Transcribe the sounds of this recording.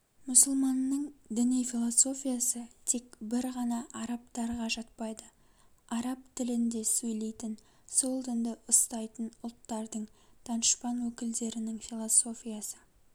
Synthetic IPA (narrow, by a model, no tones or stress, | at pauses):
mʊsʊlˠmɑnːəɴd̪ɪnijfʲilˠoso̞fʲijasət̪ʰe̞kbɪɾʁɑnɑʔɑɾɑpt̪ɑɾʁɑʒɑt̪̚pɑjd̪ə | ɑɾɑpt̪ʰɪlɪnd̪e̞sɵjle̞jt̪ɪn | solˠd̪ənd̪əʔəst̪ɑjt̪ənʊlˠt̪ːɑɾd̪əɴt̪ʰɑnəʃpɑnwɵkʲɪld̪e̞ɾɪnɪŋfʲilˠoso̞fʲijasə